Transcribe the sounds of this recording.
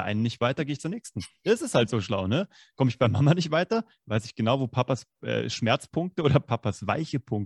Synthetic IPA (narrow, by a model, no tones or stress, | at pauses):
ʔa̰ɪnənɪçtv̥aɪtɐɡeːɪçtt͡suːɐnɛːçstn̩ɛsɪshaltz̥oːʃla̰ʊnə | kʰɔməɪçb̥aɪmːamanɪçtv̥aɪtɐ | vaɪsɪçɡ̥ənaʊvoːpʰapas | ʔɛ̰ːʃmɛɐt͡spʰʊŋk̚təʔoːdɐpʰapasv̥a̰ɪçəpʰʊŋk̚